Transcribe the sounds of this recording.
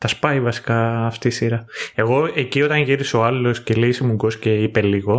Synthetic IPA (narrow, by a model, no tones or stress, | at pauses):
t̪ɐspɐivɐsi̥kɐːft̪iːsiɾɐe̞ɣo̞e̞cio̞t̪ɐnʝiɾiso̞ɐlo̞scelesemuŋɡo̞sce̞ipe̞liɣo̞